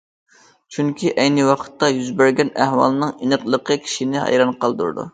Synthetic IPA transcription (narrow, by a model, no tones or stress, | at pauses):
t͡ʃʰyŋkʲʰiʔɛjnɨwɑqʰə̥t̪ːɑjyzbæɾɡʲɛnæhwɑ̰lˠɨnɨŋinəqlˠəqʰəkʲʰi̥ʃinɪhɑ̰jɾɑnqʰɑlˠd̪ṵɾd̪ṵ